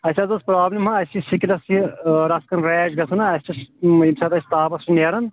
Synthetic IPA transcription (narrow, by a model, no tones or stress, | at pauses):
ɐsʲɐzɐspɾaːblimɦɐɐjsisikɾɐsiɾɐskɐnɾeːd͡ʒɡɐsʰɐnɐɐst͡ʃisimsɐt̪ɐsʲt̪aːpɐsɾineːɾɐn